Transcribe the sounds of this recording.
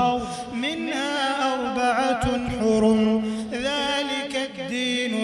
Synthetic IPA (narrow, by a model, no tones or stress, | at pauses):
mɪnhaːʔɑɾˤbaʕatħʊɾm | ðaːlɪkad̪ːiːn